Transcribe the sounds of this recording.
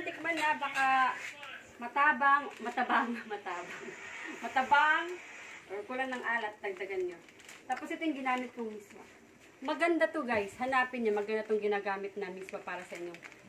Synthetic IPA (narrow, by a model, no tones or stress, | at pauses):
nt̪ɪkmanabɐka | mɐt̪aːbɐŋmɐt̪ɐbaʔŋmɐt̪aːbɐŋmɐt̪ɐbaʔaŋʔoɹkʊlaŋnɐŋʔaːlɐt̪̚d̪ɐɡ̚d̪ɐɡanɲo | t̪aːposɪt̪ojʊŋɡɪnaːmɪt̪̚kʊŋmismo̰ | mɐɡɐnd̪at̪oɡajshɐnaːpɪnɲamɐɡɐnd̪at̪oŋɡɪnaːɡaːmɪt̪̚namismopaːɾɐsɐʔɪɲːo̞